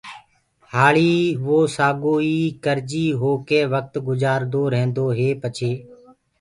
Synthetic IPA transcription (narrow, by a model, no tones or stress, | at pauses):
haːɭiːʋoːsaːɡoːiːkəɾd͡ʒiːɦoːkeːʋək̚t̪ɡʊzaːɾd̪oːɾẽːnd̪oːɦeːpət͡ʃʰeː